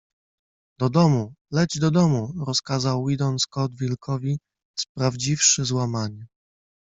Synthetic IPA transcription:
d̪̥ɔd̪ɔmulɛd͡ʑd̪ɔd̪ɔmuɾɔskazawːid̪ɔnskɔd̪vʲilkɔvʲi | spɾavd͡ʑifʂɘzwamaɲɛ

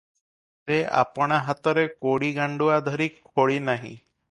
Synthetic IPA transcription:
sea̰pɔɽ̃aɦat̪ɔɾekoɽiɡaɳɖuad̪ʱɔɾikʰːoɭinaɦḭ̃

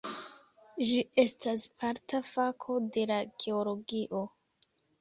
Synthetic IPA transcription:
ʒiʔe̞stʰaspʰaɾtʰafakʰo̞de̞laɡ̥e̞olo̞ɡiʔo̞

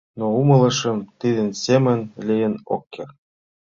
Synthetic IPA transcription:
noumɤ̆lˠɤ̆ʃɤ̆mt̪id̪ɘ̆nsemə̆nlʲijə̆no̰kːer

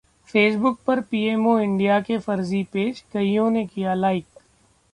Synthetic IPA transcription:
feːs̬bʊk̚pɐɾpiːeːmoɪ̃ɳɖijakefɐɾzipeːd͡ʒɡɐijõnekijalaːɪk

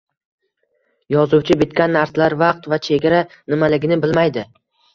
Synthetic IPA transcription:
jɒzʊwt͡ʃʰɪbɪt̪kʲanːaɾslaɾvɑq̚t̪vat͡ʃʰe̞ɡʲaɾanɪmalɪɡʲɪnɪbɪlmajd̪ɪ

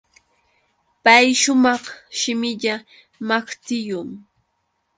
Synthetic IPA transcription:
pajʃʊmɑχʃɪmɪʎa | makt̪ɪjʊŋ

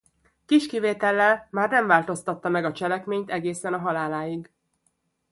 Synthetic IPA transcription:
kiʃkiveːt̪ɛlːɛlmaːrnɛɱvaːlt̪o̞st̪ɒt̪ːɒmɛɡɒt͡ʃɛlɛkmeːɲt̪ɛɡeːsɛnɒɦɒlaːlaːjiɡ

